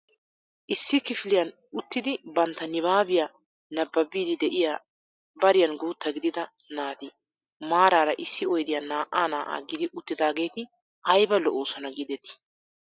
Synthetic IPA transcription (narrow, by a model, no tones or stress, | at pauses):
ʔɪsːɪkɪfɪlɪjɐn | ʊt̪ːɪd̪ɪbɐnt̪ːɐnɪβaːbɪjaː | nɐbːɐbiːd̪ɪd̪ɛʔɪjaː | bɐɾɪjɐnɡuːt̪ːɐɡɪd̪ɪd̪ɐnaːt̪ɪ | maːɾaːɾɐʔɪsːɪɔjd̪ɪjɐnaːʔaːnaːʔa̰ːɡɪd̪ɪʔʊt̪ːɪd̪aːɡe̞ːt̪ɪ | ʔɐjbɐlɔʔoːsɔnɐɡɪd̪ɛt̪ɪ̥